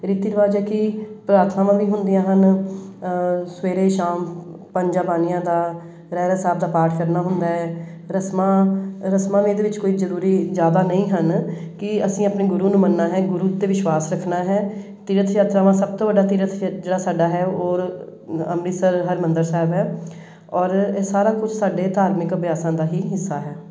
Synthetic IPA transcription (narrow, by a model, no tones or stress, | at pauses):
ɾɪːt̪ːiːɾəʋaːd͡ʒaːkɪpɾaːɾt̪ʰnãːmãːʋiːɦʊnd̪ɪjãːɦən | sʋeːɾeːʃaːm | pəɲd͡ʒaːbaːnijãːd̪aː | ɾɛːɾasaːbd̪aːpaːɾʈʰkəɾnaːɦʊnd̪aːɦɛː | ɾəsmãːɾəsmãːʋẽːd̪eːʋɪt͡ʃkoːiːzəɾuːɾiːzjaːd̪aːnəĩːɦən | kɪəsĩːəpneːɡʊɾuːnũːmənːaːɦɛːɡʊɾuːeːʋɪʃwaːsɾəkʰnaːɦɛː | t̪iːɾət̪ʰjaːt̪ɾaːʋãːsəb̚t̪õːʋəɖaːt̪iːɾət̪ʰd͡ʒeːɽaːsaːɖaːɦɛːoːɾəmɾiːsəɾɦəɾmənd̪əɾsɛːɛbɦɛː | ɔːɾːsaːɾaːkʊd͡ʒʰsaːɖeːt̪aːɾmɪkəbjaːsãːd̪aːɦiːɦɪsːaːɦɛː